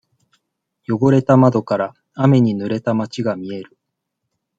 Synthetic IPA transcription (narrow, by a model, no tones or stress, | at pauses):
jo̞ɡo̞ɾe̞t̪amad̪o̞kaɾa | ame̞ɲ̟inɯ̟ɾe̞t̪amat͡ɕiɡamʲie̞ɾɯ̟